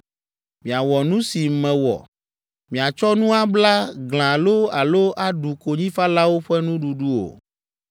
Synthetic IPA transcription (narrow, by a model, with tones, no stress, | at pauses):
mĩ˨a˨wɔ˨nũ˦si˨mɛ̃˨wɔ̰˨ | mĩ˨a˨t͡ʃɔ˦nũ˦a˦bla˦ɡl̃ã˨lo˦a˨lo˦ʔa˦ɖu˨ko˨ɲĩ˦fa˦la˦wo˦ɸɛ˦nũ˦ɖu˨ɖu˦o̰˨